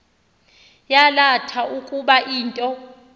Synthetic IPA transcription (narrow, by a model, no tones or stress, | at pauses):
jalatʰaukʼuɓaʔiːntʼɔ